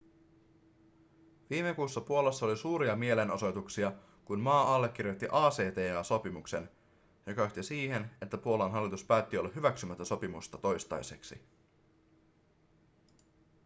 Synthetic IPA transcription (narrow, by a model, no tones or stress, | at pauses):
ʋiːme̞kuːsːɑpuo̞lɑsːɑo̞lisuːɾiɑmie̞le̞no̞so̞jt̪uksiɑ | kunmɑːɑlːe̞k̟ːirjo̞t̪ːiʔɑːse̞ːt̪e̞ːɑːso̞pimukse̞̰n | jo̞kɑoht̪isiːhe̞ne̞t̪ːæpuo̞lɑnɦɑlːit̪uspæːt̪ːio̞lːɑɦyʋæksymæt̪ːæso̞pimust̪ɑt̪o̞jst̪ɑ̰jse̞ksḭ